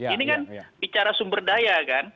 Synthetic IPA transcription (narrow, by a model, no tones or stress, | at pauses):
inikanbit͡ʃaɾasumbərdajakan